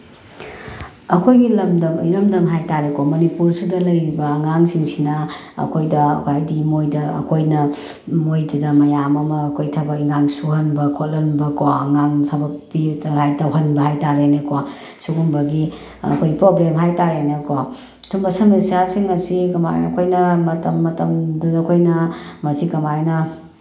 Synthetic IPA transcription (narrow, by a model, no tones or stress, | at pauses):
ɐkʰojɡilɐmdɐmjɾɐmdɐmɦajtaɾekomɐnipuɾsudɐlɐjɾibɐːŋaŋsiŋsinɐɐ̰kʰojdɐɐ̰kʰajdimojdɐɐ̰kʰojnɐ | mojdidɐmɐjamɐmɐːkʰojtʰɐbɐŋaŋsuhɐnbɐkʰot̚lɐnbɐkoɐŋaŋtʰabɐpːitɐhajtɐwɦɐnbɐhajtaɾenɐkowa | suɡumbɐɡi | ɐ̰kʰojpɾoblemɦajtaɾenɐka | tʰumbɐsɐmensijasiŋɐsikɐma̰jɐkʰojnɐmɐtɐmːɐtɐmdunɐkʰojnɐmɐsikɐmajnɐ